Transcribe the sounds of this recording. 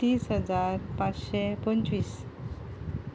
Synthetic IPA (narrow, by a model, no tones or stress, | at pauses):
t̪iːsɦəd͡zaɾpat͡sɕepənt͡ɕʋiːs